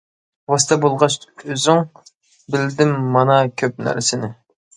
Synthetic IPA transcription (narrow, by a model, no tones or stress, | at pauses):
wɑst̪ʰɛbolˠʁɑʃøzyŋ | bɪld̪ɪmːɑnɑkʲʰøp̚næ̰ɾɪsɪnɪ